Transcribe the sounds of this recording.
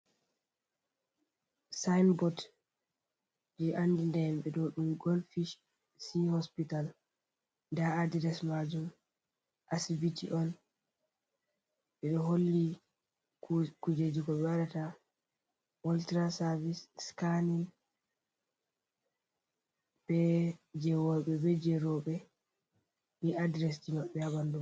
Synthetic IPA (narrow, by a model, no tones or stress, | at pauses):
sajnbɔt | d͡ʒɛʔanːdindɛmɓɛɗɔɗumɡolfiʃ | sihɔspital | ndaadidɛsmad͡ʒum | ʔasibitʰiʔɔn | ɓɛɗɔɦolːi | kud͡ʒed͡ʒiɡɔɓɛwaɗata | woltɾasaɾvisskanin | b̥ɛd͡ʒɛwɔɓɛbɛd͡ʒɛɾɔɓɛ | niʔadɾɛs̬dimaɓːɛaɓandum